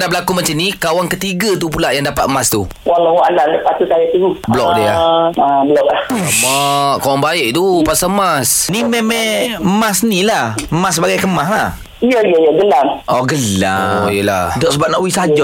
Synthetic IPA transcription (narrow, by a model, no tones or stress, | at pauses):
naʔbəlakumat͡ʃanikawaŋkət̪iɡat̪up̬ulaʔjaŋdapat̪mast̪u | walawaʔanandəpat̪usajit̪əɡubəlɔk̚dia̰abəlɔʔlahmaʔkawaŋbaɪʔt̪upasamasnimemɛ̃mãsnilahmas̬əbaɡajkəmaɦlah | ijəijəjəɡəlaŋʔɔɡəla̰jəla̰dɔʔsəbap̚naʔuisad͡ʒa